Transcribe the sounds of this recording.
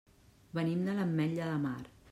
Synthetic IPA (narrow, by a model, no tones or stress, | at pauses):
bənimd̪ələmːɛʎəðəmaɾ